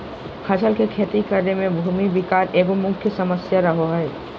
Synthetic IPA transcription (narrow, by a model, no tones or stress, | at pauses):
kʰɐt͡ʃʰəlkekʰeːt̪ikəɾnemẽbʱuːmibɪkaːɾʔeːɡomʊ̃kʰjəsɐməsjaɾəɦoɦɛː